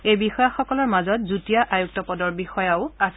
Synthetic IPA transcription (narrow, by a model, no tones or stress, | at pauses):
ejbixɔjaxɔkɔlɔɹmazɔtzutijaʔajuk̚tɔpɔdɔɹbixɔjaʊas